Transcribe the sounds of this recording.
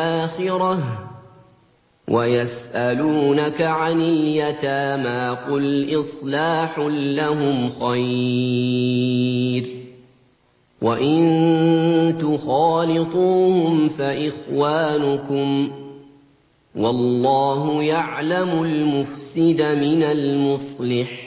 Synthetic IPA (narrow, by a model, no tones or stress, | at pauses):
ʔaːxɪɾɑ | wʔajasʔaluːnakaʕanɪljat̪aːmaːqʊlʔɪsˤlaːħʊːaɦʊmxaj | ɾ | waʔɪnn | t̪ʊxɑːlɪt̪ˤuːhʊmfaʔɪxwaːnʊkʊm | wɑlːɑːɦʊjaʕlamʊlmʊfsɪd̪amɪnalmʊsˤlɪħ